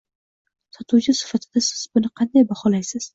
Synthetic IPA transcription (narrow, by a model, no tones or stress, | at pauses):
sɒt̪ʰuwt͡ʃʰɪsɪ̥fat̪ʰɪd̪̥asɪ̥z̥bʊnɪqʰɑnd̪ajbahɒlajsɪz̥